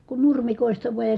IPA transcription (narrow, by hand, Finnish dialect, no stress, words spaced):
kun nurmikoˑi̯stɑ ʋuɑj jɑ